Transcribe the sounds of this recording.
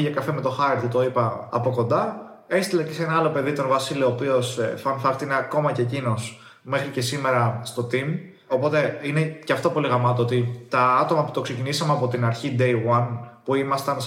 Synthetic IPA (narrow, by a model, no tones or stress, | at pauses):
ʝɐkɐfeme̞t̪o̞xɐɾɾt̪ut̪o̞ipɐɐ̰po̞ko̞nd̪ɐ | e̞st̪ilɐce̞senɐɐlo̞pe̞ðit̪o̞nvɐsilioːpio̞sfɐnfɐkt̪ineɐko̞mɐcecino̞s | me̞xɾice̞sime̞ɾɐst̪o̞t̪im | o̞po̞t̪e̞ineceɐft̪o̞poliɣɐmɐt̪̬oot̪it̪ɐɐt̪o̞mɐpu̥t̪o̞kse̞cinisɐmeɐpo̞t̪inɐɾçid̪e̞jwɐnpuimɐst̪ɐn